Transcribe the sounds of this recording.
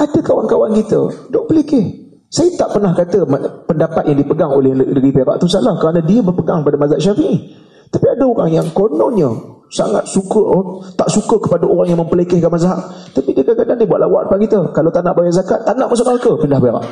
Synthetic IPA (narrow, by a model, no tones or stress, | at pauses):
adəkawankawankit̪ə̰dɔʔpəlekɪh | sajət̪aʔpərnahkat̪əmpəndapat̪jaŋdipəɡaŋolɛhdəɾipeɾa̰ʔt̪usalahkəɾanãdiəbərpəɡaŋəpadamazaʔʃafiʔi | t̪apiadaoɾa̰ŋjaŋkonɔnɲə | sa̰ŋa̰t̪̚sukət̪aʔsukəkəpadaoɾaŋjaŋməmpəlekɪhkanmazaɦaʔt̪apidəakadaŋdibuaʔ̪lawa̰ʔ̚pakit̪əkalawt̪anaʔbajaʔzakat̪ːanaʔmas̬aŋalkəpindahpeɾa̰ʔ